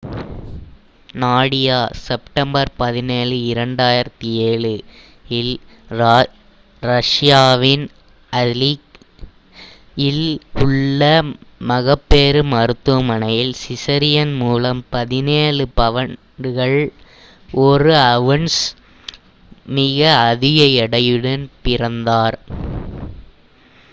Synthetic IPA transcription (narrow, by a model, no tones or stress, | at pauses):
naːɽɪjaːsɛpʈɐmbɐɾpɐðɪneːɻɯɪɾɐɳɖaːjɪɾɐt̪ːieːɭɯ | ɪl | ɾɐʂjaːʋɪn | ɐlik | ɪlʊɭːɐmɐɣɐpːeːɾɯmɐɾɯt̪ːɯɐmɐnɐjɪlsɪsɐɾɪjɐnmuːlɐmpɐðɪneːɻɯpɐʋɐn | ɖɯɣɐɭ | ʔɔɾɯɐʋɐɳs | mɪɣɐːðɪɣɐɛɽɐjɯɽɐnpɪrɐnd̪aːɾ